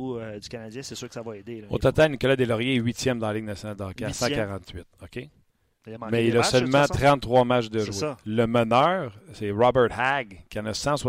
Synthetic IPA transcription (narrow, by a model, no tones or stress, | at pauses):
d͡zykanad͡zjɛ̃sesyːʁkəsavɔed̪eo̰t̪ɔt̪ãlnikɔlad̪elɔʁjeɥit̪jɛmd̪ɑ̃lɪŋnasjɔnald̪ɑ̃kasãkaʁɑ̃t̪ɥɪt̪ɔkʲẽ | mɛiləsœlmmãt̪ʁɑ̃t̪ːʁwamat͡ʃd̪əʒweləmənœːʁsɛʁɑbɛt̪haɡkʲiɑ̃nəsɑ̃swa